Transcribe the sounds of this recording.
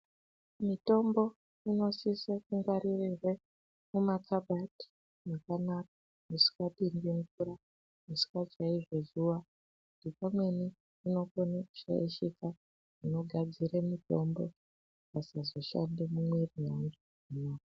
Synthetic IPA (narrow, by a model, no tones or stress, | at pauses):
mito̞mbo̞ | ino̞sisakuŋɡaɾirirwe | mumat͡saɓati̥ | nakanak̚ḁ | musi̥katindiŋɡura | musi̥kat͡ʃaiʐe̞ʐuʋa | udipamwe̞ni | ino̞koneʃḛeʃika | ʐino̞ɡʱad͡ziɾemito̞mbo̞ | pasazo̞ʃa̰ndemumwerijanɡu | inoː